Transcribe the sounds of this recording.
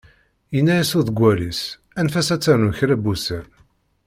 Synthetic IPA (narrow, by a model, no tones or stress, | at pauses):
inːæjæsuðɡʷːælis | ænfæsæt͡sːæɾnuçɾæbusæn